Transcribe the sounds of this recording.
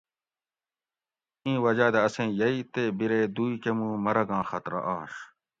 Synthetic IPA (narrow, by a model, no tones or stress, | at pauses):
ĩːwɐd͡ʑaːd̪eɐsẽːjɐit̪eːbiɾeːd̪uːikemũːmɐɾɐɡãːxɐt̪ɾɐ̰ʔaːɕ